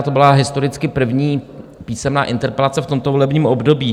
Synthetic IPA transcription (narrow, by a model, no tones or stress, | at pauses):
t̪o̞bɪlaɦɪst̪o̞ɾɪt͡skɪpr̩vɲiːpiːsɛmna̰ːʔɪnt̪ɛɾpɛlat͡sɛft̪o̞mt̪ovo̞lɛbɲiːmʔo̞bdo̞biː